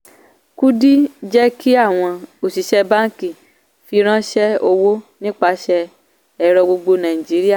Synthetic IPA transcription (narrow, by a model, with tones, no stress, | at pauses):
ku˦di˦d͡ʒɛ˦ki˦a˦˨w̃ɔ̃˧o˨si˨ʃɛ˧bã˦ŋ˦ki˦˨ | fi˧ɾ̃ã˦ʃɛ˦o˧wo˦nĩ˦k͡pa˧ʃɛ˧ | ɛ˧ɾɔ˧ɡ͡bo˧ɡ͡bo˧nã˨i˨d͡ʒi˨˦ɾi˦a˦˨